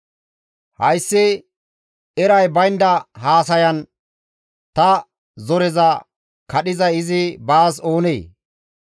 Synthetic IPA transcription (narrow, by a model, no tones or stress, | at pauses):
hɐjsːɪ | ɛɾɐjbɐjnd̪ɐhaːs̬ɐjɐn | t̪ɐ | zɔɾɛzɐ | kɐɗɪzɐjɪzɪbaːso̞ːneː